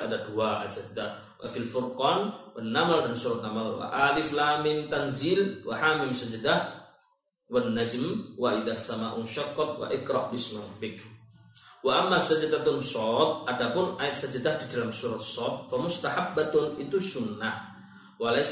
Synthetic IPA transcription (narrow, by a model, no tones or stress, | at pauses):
ʔa̰d̪aduwaːʔasad͡ʒd̪a | wa̰filfʊɾqɑːnwanːamaldansuːɾat̪namalwa̰ʔaːlɪflamɪnt̪anziːlwa̰ħaːmɪmsad͡ʒd̪ah | wanːad͡ʒmwaʔɪðasːamaːʔʊmʃakːɑt̪wa̰ʔɪkɾˤɑ̰ʔbɪsmɾˤɑbɪk | waʔamːasad͡ʒd̪at̪ʊnsɔːt̪ʔadabʊnʔajnsad͡ʒad̪ahdidalamsuːɾɑsːɔːt̪̚famʊst̪aħabːat̪ʊnʔit̪usʊnːa | wala